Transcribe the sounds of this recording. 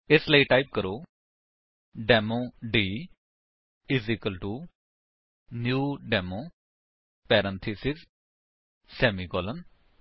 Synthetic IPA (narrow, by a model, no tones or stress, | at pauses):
ɪsləiːʈaːip̚kəɾoː | ɖɛːmoːɖiː | ɪzikəlʈuː | njuːɖɛːmoː | pɛːɾə̃nt̪ʰisɪz | sɛːmikɔːlən